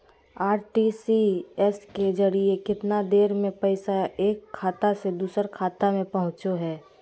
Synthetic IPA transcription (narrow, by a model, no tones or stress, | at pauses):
aːɾʈisiɛsked͡ʒɐɾiekɪt̪nad̪eːɾmẽpəɪsaeːkʰːaːt̪ased̪uːsəɾkʰaːt̪amẽpɐɦʊ̃t͡ʃoɦɛː